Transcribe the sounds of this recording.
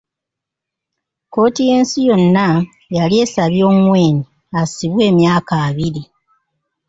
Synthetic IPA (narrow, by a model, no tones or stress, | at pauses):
ko̞ːtije̞ːnsijo̞nːa | jalie̞saβjoːmwe̞ːni | asiβwe̞ːmjaːkaːβiɾi